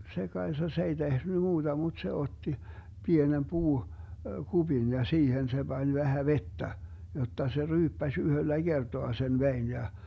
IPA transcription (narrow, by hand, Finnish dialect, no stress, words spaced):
se kɑesɑ se ei tehny muːd̥ɑ mud̥ se otːi pienem puː kub̥in jɑ siːhen se b̥ɑnʲ ʋæhæ ʋetːæ jotːɑ se ryːpːæsʲ yhølːæ ɡ̊ertoɑ sen ʋein jɑ